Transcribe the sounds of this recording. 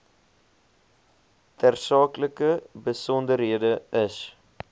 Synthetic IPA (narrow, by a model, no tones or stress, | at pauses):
tærsɑːkləkəbəsɔndəɾɦiədəəs